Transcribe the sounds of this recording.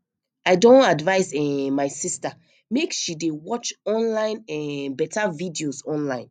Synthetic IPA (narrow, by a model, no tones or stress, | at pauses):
aɪdõntadvaɪsɛmaɪsista | meksʃidewɔt͡ʃɔ̃nlãɪ̃nɛbɛtavidiozɔ̃nlãɪ̃n